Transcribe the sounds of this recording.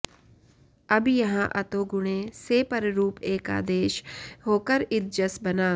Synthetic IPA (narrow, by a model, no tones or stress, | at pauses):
ɐbjɐɦãʔɐt̪oːɡʊɽ̃ẽseːpəɾɾuːpeːka̰ːd̪eːʃɦoːkəɾɪt̪̚d͡ʒəsbɐnãː